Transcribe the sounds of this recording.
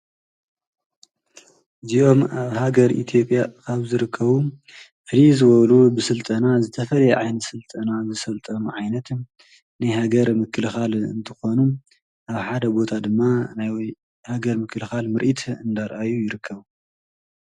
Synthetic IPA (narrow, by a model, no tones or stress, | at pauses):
ɨziʔo̞maβhaɡɐɾḭt̪ʰjo̞pʼjakʰaβzɨɾɨkʰːɐβu | fɨɾizɨβɐlubɨsɨlt̪ʼɐnazɨt̪ʰɐfɐlɐjɛʕajnɐt̪sɨlt̪ʼɐnazɨsɐlt̪ʼɐnuʕajnɐt̪ | najhaɡɐɾmɨkʰːɨlxalɨ̰nt̪ʰɨ̥xo̞nu | ʔaβħad̪ɐbo̞t̪ʰad̪ɨmːanaj | haɡɐɾmɨkʰːɨlxalmɨɾʔit̪ʰɨnd̪aɾʔajujɪɾɨkʰːɐβu